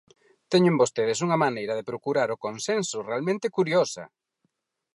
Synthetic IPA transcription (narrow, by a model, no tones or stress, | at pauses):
t̪ɛɲʊmbost̪eð̞ɪsuŋɐmanejɾɐðɪpɾokuɾaɾʊkonsensʊrealmẽnt̪ɪkuɾjosɐ̰